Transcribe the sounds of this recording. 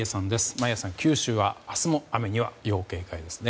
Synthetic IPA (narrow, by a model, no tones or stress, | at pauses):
esãnd̪e̞sɨ̥majasãŋkʲɨːɕɨːβaasɨmo̞ame̞ɲ̟iβa̰jo̞ːke̞ːkaid̪e̞sɨ̥ne̞